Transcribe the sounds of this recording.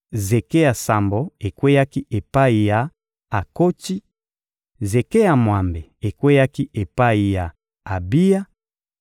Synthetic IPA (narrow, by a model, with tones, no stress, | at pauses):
ze˨ke˦ja˨sa˨mbo˨e˨kwe˦ja˦ki˦ʔe˨pa˦i˨ja˨ | a˨ko˦ti˦ | ze˨ke˦ja˨mwa˨mbe˨e˨kwe˦ja˦ki˦ʔe˨pa˦i˨ja˨ | a˨bi˦ja˦